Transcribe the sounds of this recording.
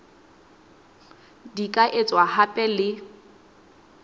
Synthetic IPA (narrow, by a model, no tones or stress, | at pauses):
dikʼaʔet͡sʼwahapʼɛlɪ